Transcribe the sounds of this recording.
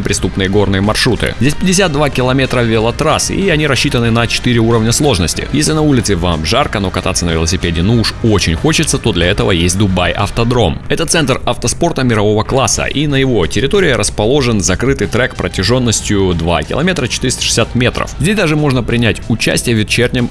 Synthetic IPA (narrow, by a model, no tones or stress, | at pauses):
əpɾʲɪst̪upnɨjəɡo̞rnɨjəmɐrʂɾut̪ɨ̰zʲdʲesʲpʲɪdʲɪsʲat̪̚d̪vakʲɪlˠɐmʲet̪ɾəvʲɪlˠɐt̪ɾasɨiɐnʲiɾɐɕːit̪ənɨnət͡ɕɪ̥t̪ɨɾʲɪuɾəvnʲəslˠo̞ʐnəsʲtʲɪ̰jesʲlʲɪnɐulʲɪt̪sɨvamʐarkəno̞kɐt̪at̪sːənəvʲɪlˠəsʲɪpʲedʲɪnuuʂot͡ɕɪnʲxo̞t͡ɕɪt̪sət̪o̞d̪lʲɐɛt̪əvəjesʲt̚ʲd̪ʊbajʔɐ̰ft̪ɐd̪ɾo̞mɛt̪ət̪sɛnt̪rɐft̪əspo̞rt̪əmʲɪɾɐvo̞vəklˠasːə̰ʔinəjɪvo̞tʲɪɾʲɪt̪o̞ɾʲɪːɾəspɐlˠo̞ʐɨnzɐkɾɨt̪ɨjt̪ɾɛkpɾətʲɪʐo̞nːəsʲtʲjʊd̪va̰kʲɪ̰lˠɐ̰mʲe̞t̪ɾət͡ɕɪ̥t̪ɨɾʲɪst̪ʂɨ̥sʲat̪mʲe̞t̪ɾə̰fzʲdʲesʲd̪aʐɨmo̞ʐnəpɾʲɪnʲætʲʊt͡ɕæ̰sʲtʲɪjəvʲɪt̪t͡ɕernʲəm